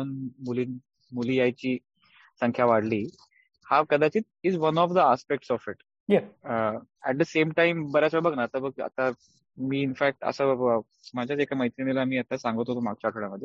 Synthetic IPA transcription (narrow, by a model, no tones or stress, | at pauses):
ənmuliːn | muliːjajt͡ɕiː | sə̃ŋkʰjaʋaɽliː | hakəd̪ʱat͡ɕiːt̪̚izʋənɔfd̪əaspek̚ʈsɔfiʈ | jɛ | ɛʈ̚d̪əsemʈaimbəɾasəbʱəɡnaːt̪abəɡ̚ə̰t̪a | miːnfæk̚ʈə̰sə | mad͡ʑʱjat͡sekaməjt̪inienilamiːət̪asãŋɡət̪ot̪omaɡ̚t͡ɕaʈʰɽjaməd̪ʱja